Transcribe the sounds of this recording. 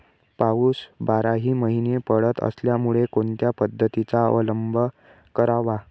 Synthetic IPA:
pauːsbaɾaɦiːməɦinepəɽət̪ə̰sljamuɭekoɳt̪japəd̪ʱːət̪it͡saə̰ʋələmbʱə | kəɾaʋa

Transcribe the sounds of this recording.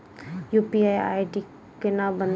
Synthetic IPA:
juːpiaja̰ːiʈi | kenabən

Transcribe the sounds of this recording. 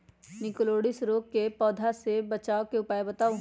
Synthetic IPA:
nɪkloːɽɪsɾoːkːepɔːd̪ʱasebɐt͡ʃaːokeʊpaːebɐt̪aː

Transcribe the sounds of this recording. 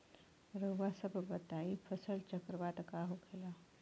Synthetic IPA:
ɾəʋasəbʱbət̪aifʰəsəlt͡ʃəkɾəbat̪kaɦokʰela

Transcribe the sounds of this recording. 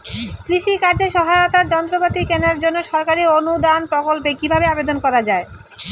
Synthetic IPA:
kɾiʃikaɾd͡ʑeʃɔɦaeot̪aɾd͡ʑɔnt̪ɾopat̪ikɛnaɾd͡ʑonːoʃɔɾkaɾionud̪anpɾokolpekibʱabeabed̪onkɔɾad͡ʑae

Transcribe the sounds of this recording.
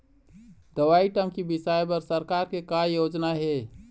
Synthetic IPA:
d̪əʋaiʈəmkibisaebəɾsəɾkaɾkekajod͡ʒnaɦe

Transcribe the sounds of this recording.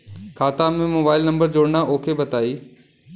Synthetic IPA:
kʰaːt̪amẽmoːbaːɪlnɐ̃mbəɾd͡ʑoːɽnaʔoːkʰebɐt̪aːiː

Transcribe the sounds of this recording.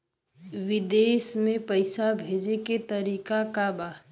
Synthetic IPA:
ʋɪd̪eːsmẽpəɪsabʱeːd͡ʒeket̪əɾiːkakabaː

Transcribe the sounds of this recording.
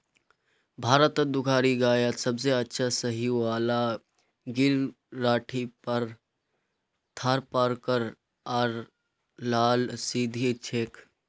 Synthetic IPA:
bʱaːɾət̪d̪ʊkʰaːɾiɡaːjət̪səbseətːʃʰasəɦiʋaːla | ɡɪɾ | ɾaːʈʰipəɾ | t̪ʰaːɾpaɾkəɾ | aːɾ | laːlsid̪ʱit͡ʃʰeːk

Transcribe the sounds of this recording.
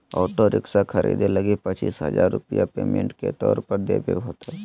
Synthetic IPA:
ɔːʈoɾɪksakʰɐɾḭːd̪elɐɡipɐt͡ʃiːsɦə̰zaːɾːʊpijapeːmẽɳʈket̪ɔːɾpəɾd̪ḛːbʱḛɦoːt̪a

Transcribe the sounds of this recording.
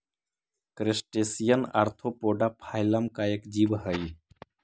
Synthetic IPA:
kɾesʈesijəna̰ɾt̪ʰopoɖapʰajləmkaekd͡ʒibɦəj

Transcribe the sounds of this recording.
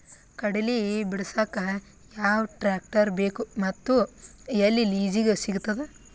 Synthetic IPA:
kɐɽelibiɽɐsakɐ | jaːʋʈɾaːk̚ʈɐɾbeːkumɐt̪ːu | ɐlːiliːd͡ʒiɡesiɡut̪ːɐd̪e

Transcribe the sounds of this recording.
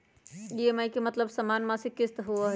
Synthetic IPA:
iemajkemɐt̪ləbsɐmaːnmãsikɪst̪ɦuaɦ

